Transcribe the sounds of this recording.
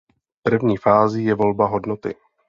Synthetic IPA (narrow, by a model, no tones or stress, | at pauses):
pr̩vɲiːfaːzijɛvo̞lbaɦo̞dnot̪ɪ̰